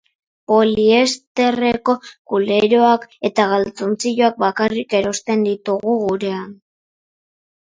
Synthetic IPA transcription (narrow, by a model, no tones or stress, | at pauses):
po̞lie̞st̪e̞re̞ko̞kule̞ɾo̞ake̞t̪aɣalt͡so̞nt͡siʎoak̚bakarike̞ɾo̞st̪e̞nd̪it̪uɣuɣuɾe̞an